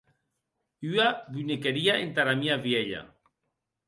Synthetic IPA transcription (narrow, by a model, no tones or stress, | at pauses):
yaβynekeɾiaʔent̪aɾamiaβjeʎa̰